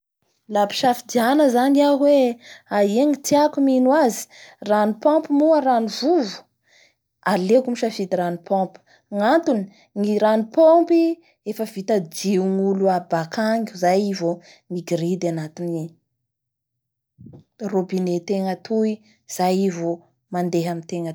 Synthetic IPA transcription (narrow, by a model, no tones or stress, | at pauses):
lapi̥ʃafid̪ianəzaniaɦweaeŋit̪iakuminwazi̥ranipɔ̃mpimuəɾanivuvu̥ | alekumiʃafit̪iɾanipʰɔ̃pu̥ | ŋant̪uni̥ | ŋiɾanipompi | efəvit̪ad͡ʒiuŋuluabakaŋɡʲuzajivo | miɡiɾid̪anat̪ini | robinet̪eŋət̪ʰui | z̥ajivo | mand̪eɦamit̪eŋə